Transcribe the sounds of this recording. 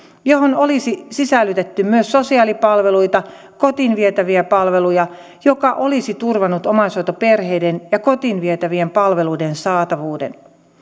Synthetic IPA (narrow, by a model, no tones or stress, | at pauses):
joɦono̞lisisisælːyt̪et̪ːymyøsːosiɑːlipɑlʋe̞lujt̪ɑ | ko̞t̪inʋiet̪æʋiæpɑlʋe̞lujɑ | jokɑʔo̞lisit̪urʋɑnːut̪o̞mɑsojt̪ope̞rɦe̞jdenjɑko̞t̪inʋiet̪æʋiempɑlʋe̞luidensɑːt̪ɑʋuːdḛn